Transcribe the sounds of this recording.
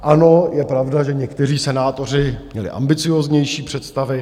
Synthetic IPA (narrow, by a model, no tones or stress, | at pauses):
ʔano̞jɛpɾavdaʒɛɲɛkt̪ɛriːsɛnaːt̪o̞r̝ɪɲɛlɪ̰ʔa̰mbɪt͡sɪjoːzɲɛjʃiːpr̝̥ɛt̪st̪avɪ